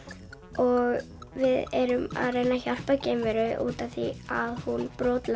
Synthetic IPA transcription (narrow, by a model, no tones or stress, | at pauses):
ɔɣ | vɪðɛɾʏma̰ðrejnːaçar̥pacɛːmvɛɾʏʔṵːt̪aθiaðhunpɾɔːt̪la